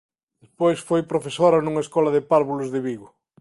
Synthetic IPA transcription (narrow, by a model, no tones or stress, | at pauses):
d̪espojsfojpɾofesoɾɐnuŋɐeskɔlɐðɪpaɾβulʊzðɪβiɣʊ